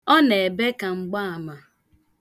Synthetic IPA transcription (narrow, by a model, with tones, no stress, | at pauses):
ɔ˦ne˨e˨be˦ka˨ŋ͡m̩˨ɡ͡ba˦a˨ma˨